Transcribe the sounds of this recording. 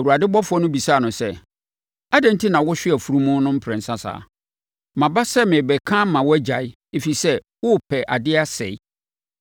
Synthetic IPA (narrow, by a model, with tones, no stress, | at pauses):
wu˨ɾa˨dɪ˦bɔ˦fʊ˨˦ɔ˦nʊ̃˦bi˨saː˦˨nʊ̃˨sɛ˦ | a˦dɛ̃˨n̩˦tʰi˦nã˨wʊ˦ɕᶣɪ˦ɛ˨fu˦ɾũ˦mʊ̃˦nʊ̃˦m̩˦pʰɾɛ̃˨n̩˨sã˦sa̰ː˨ | mã˨ba˦sɛ˦mɪ̃˨bɛ˨kʰã˦mã˨wɔ˦æ˦d͡ʑa˨ɪ˦ | e˨fi˨sɛ˦ | wʊ˦pʰɛ˨ʔa˨dɪ˦a˦sɛ̰˨ɪ˦